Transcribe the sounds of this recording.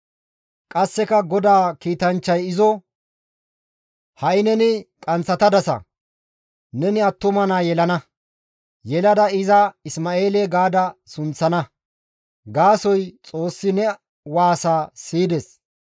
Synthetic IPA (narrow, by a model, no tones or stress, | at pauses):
kʼɐsːɛkɐɡɔd̪aːkiːt̪ɐnt͡ʃːɐjɪzɔ | hɐɪnɛnɪkʼɐnt͡sːɐt̪ɐd̪ɐsɐ̰ | nɛnɪɐt̪ːʊmɐnaːjɛlɐnɐ | jɛlɐd̪ɐɪzɐɪsmaːe̞ːleɡaːd̪ɐsʊnt͡sːɐnɐ | ɡaːsɔjt͡sʼo̞ːsːɪnɛ | waːsaːsiːd̪ɛs